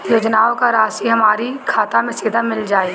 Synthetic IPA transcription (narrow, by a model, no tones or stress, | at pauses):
joːd͡ʒnaːõkaɾaːsiɦɐmaːɾikʰaːt̪amẽseːd̪ʱamɪld͡ʒaːe